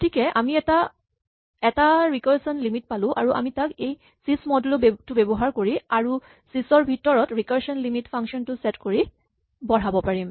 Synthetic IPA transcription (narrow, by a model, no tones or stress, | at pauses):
tʰikɛʔamiɛta | ɛtaɹikɔɹsɔnlimitpalʊ̃ʔa̰ɹuʔa̰mitakej | sismɔdulʊbtʊbɛbɔɦaɹkoɹiaɹu | sisɔɹbʱitɔɹɔtɹikɔɹsɔnlimitpʰaŋkʃɔntʊsɛtkoɹi | bɔɹabɔpaɹim